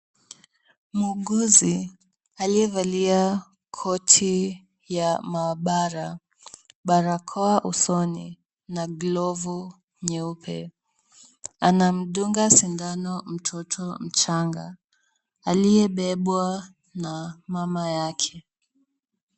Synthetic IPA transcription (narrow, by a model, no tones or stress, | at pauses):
muɡuzi | aliɛvalia | kʰɔtʰi | jamaːɓaɾa | ɓaɾakʰɔaʔusɔnḭ | naɡlɔvu | ɲɛupʰɛ̰ | anam̩ɗuŋɡasindanɔm̩tʰɔtʰɔm̩t͡ʃaŋɡaː | lijɛɓɛɓwa | namamajakʰɛ